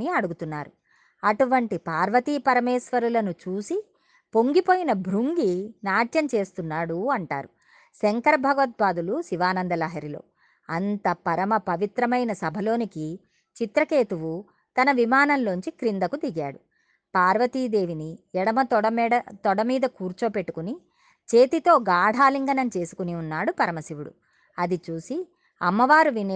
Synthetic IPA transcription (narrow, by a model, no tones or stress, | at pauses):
iɐɽuɡut̪unːa̰ːɾu | ɐʈuʋɐɳʈipaːɾʋɐt̪iːpɐɾɐmɛːsʋɐɾulɐnut͡ʃuːsi | po̞ŋɡipo̞ːjinɐbʱɾuŋɡinaːʈjɐmt͡ʃe̞ːst̪unːaːɽuɐɳʈa̰ːɾu | seŋkɐɾɐbʱɐɡʋɐt̪̚baːd̪ulusiʋaːnɐnd̪ɐlaːɦɐɾilo̞̰ː | ɐnt̪ɐpɐɾɐmɐpɐʋit̪ɾɐmɐjnɐsɐbʱɐlo̞ːniki | t͡ʃit̪ɾɐke̞ːt̪uʋu | t̪ɐnɐʋimaːnɐnlo̞ɲt͡ʃikɾind̪ɐkud̪iɡaːɽu | paːɾʋɐt̪iːd̪e̞ːʋiniɛɽɐmɐt̪ɐt̪ɔɽɐmiːd̪ɐkuːɾt͡ʃo̞ːpe̞ʈːu̥kuni | t͡ʃe̞ːt̪it̪o̞ːɡaːɽ̤ʱaːliŋɡɐnɐmt͡ʃe̞ːsu̥kuniunːaːɽupɐɾɐmɐsiʋuɽṵ | ɐd̪it͡ʃuːsi | ɐmːɐʋaːɾuʋin